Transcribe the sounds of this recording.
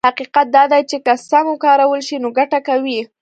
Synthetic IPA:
haqiqat̪̚d̪ɑd̪ajt͡ʃekasamwkɑɾawəlʃinoɡaʈakawi

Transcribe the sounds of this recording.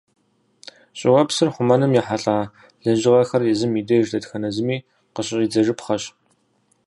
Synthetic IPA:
ɕʼɪwɐpsɨrχʷʊmɐnɨmjiħaɬʼaː | ɮɐnʑɪʁɐxɐrjɛzɨmidɐjʒdɐtxɐnɐzɨmiː | qəɕʼɕʼiːd͡zɐʒɨpχɐɕ

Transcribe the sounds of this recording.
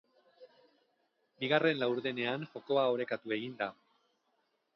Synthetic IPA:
biɣ̞are̞nlawɾðene̞anʝo̞ko̞ao̞ɾe̞kat̪ue̞ɣind̪a

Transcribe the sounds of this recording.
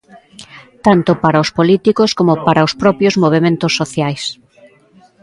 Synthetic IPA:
t̪ant̪ʊpaɾaʊspolit̪ikʊskomopaɾʔaospɾɔpjozmoβ̞emẽnt̪ʊsːoθjajs

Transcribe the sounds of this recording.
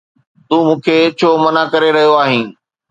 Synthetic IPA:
t̪ũːmũːkʰeːt͡ɕʰoːmɐnakɐɾeɾɐɦijoaːɦĩː

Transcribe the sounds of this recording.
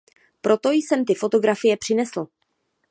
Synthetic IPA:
pɾʔo̞t̪o̞jsɛmt̪ɪfo̞t̪o̞ɡɾafɪjɛpr̝̥ɪnɛsl̩

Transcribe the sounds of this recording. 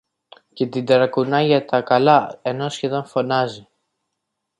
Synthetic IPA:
ce̞t̪id̪ɾɐkunɐʝɐt̪ɐkɐlɐe̞no̞sçe̞ðo̞nfo̞nɐzi

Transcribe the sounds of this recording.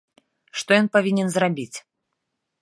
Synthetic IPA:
ʂt̪ɔjɔnpavʲinʲɛnzrabʲit͡sʲ

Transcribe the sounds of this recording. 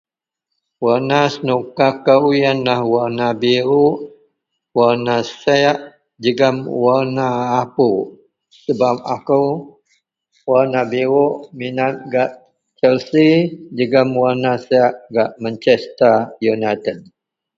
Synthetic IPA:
wanasənukakaujanlahwaɾnabiɾuʔ | warnasɛaʔ | d͡ʒəɡəmwanaːpu | səbap̚akəw | waɾnabiɾuʔminat̪̚ɡaʔ | t͡ʃɛlsid͡ʒəɡəmwaɾnasɛaʔɡaʔmaɲt͡ʃɛst̪ajunat̪əd̚

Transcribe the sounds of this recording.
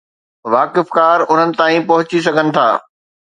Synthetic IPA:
ʋaːkɪfkaːɾʊn̤ənɪ̆t̪aːĩpɐɦʊt͡ɕis̬ɐɡʱənɪ̆t̪ʰa̰ː

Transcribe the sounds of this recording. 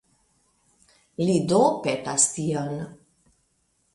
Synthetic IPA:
lidopetastion

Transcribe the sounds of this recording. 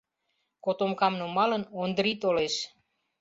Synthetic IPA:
kot̪omkɑmnumɑlənond̪ɾit̪oleʃ

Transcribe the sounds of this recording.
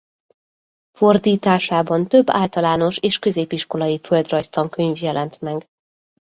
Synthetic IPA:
fo̞rd̪iːt̪aːʃaːbɒnt̪ø̞bːa̰ːlt̪ɒlaːno̞ʃeːʃkø̞zeːpiʃko̞lɒjifø̞ld̪rɒjst̪ɒŋkø̞ɲvjɛlɛnt̪mɛɡ

